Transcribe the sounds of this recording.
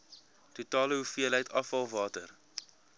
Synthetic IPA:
tutɑːləɦufiəlɦəjtʰɐfɐlˠvɑːtər

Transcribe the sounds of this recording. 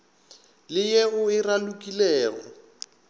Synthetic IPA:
lɪjeɣʊɪralukʼilɛːɣɔ̰

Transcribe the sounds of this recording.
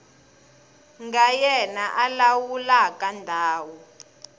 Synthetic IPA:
ŋɡajɛnaʔalawulakandʱaːwɔ

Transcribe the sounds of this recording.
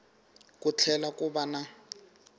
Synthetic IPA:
kʼut͡ɬʰɛlakʼʊbana

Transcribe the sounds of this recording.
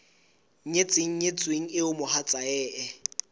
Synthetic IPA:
ɲet͡sʼɪŋ̩ɲet͡sʼweŋ̩ɪʊmʊhat͡sʼaɛːʔɛ

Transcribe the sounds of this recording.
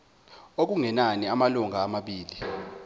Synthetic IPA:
ok̬uŋɛnaniamaluŋʱaːmaɓiːli

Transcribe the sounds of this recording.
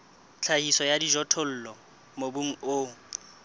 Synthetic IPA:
t͡ɬʰahisɔjadiʒɔtʰʊl̩ːlɔ | mobuŋ̩ʊ

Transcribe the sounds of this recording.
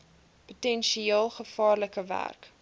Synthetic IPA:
potɛnʃieːlˠχəfɑːrləkəvæ̰rk

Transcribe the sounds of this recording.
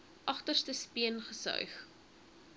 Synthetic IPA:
ʔɐχtərstəspiənχəsœ̰ɥχ

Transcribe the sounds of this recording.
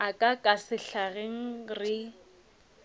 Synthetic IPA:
akʼakʼasɪɬaɣeŋ̩rɪ

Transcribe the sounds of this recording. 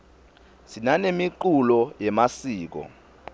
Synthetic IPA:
sinanemiǃulɔjɛmasiːk̬ɔ̰

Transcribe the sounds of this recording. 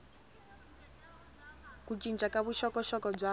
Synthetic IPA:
kut͡ʃʼint͡ʃʼakaβuʃɔkʼɔʃɔkɔb͡ʐa

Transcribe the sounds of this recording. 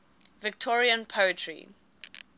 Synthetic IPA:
vɪk̚tʰɔɹiə̃npʰəətʰɹḭ

